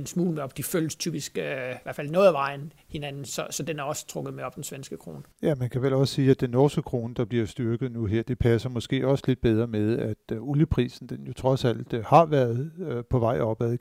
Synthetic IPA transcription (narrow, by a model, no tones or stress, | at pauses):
ensmṵːlmeɒ̽b̥d̥ifølst͡sʰyːb̥isɡ̥ʋæɐ̰fælnɔ̽ːðˠʋɑ̈ɪn̩ | he̝nænn̩sɒ̽sɒ̽d̥enæɐɒ̽sə̥t͡sʰʁɔ̽ɡ̥ðˠmeɒ̽b̥̚d̥ensʋensɡ̥əkʰʁo̰ːnəjæmænkʰæʋelɒ̽ssiːæd̥enːɒsɡ̥əkʰʁo̝ːnəd̥ɑ̈b̥liɐsd̥yɐɡ̥ð̞̩ˠnuɦeɐ̰d̥e̝pʰæsɐmɒ̽sɡ̥e̝̰ːɒ̽səle̝d̥̚b̥eð̞ˠʁɐmeðˠæd̥uljəpʰʁḭːsn̩d̥enjo̝t͡sʰʁɒ̽sæl̰d̥hɑ̈ʋæɐð̞̩ˠpʰɒ̽ʋɑ̈ɪ̰ɒ̽b̥æðˠ